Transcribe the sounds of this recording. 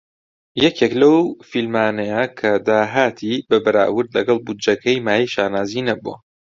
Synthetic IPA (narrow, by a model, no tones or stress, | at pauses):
jɛkʰeklɐwfilmaːnɐjakʰɐd̪aːɦaːt̪ʰibɐbɐɾa̰ːwɨɾd̪lɐɡɐlˠbud͡ʒɐkʰɐjmaːjɐjʃaːnaːziːnɐbuɐ̰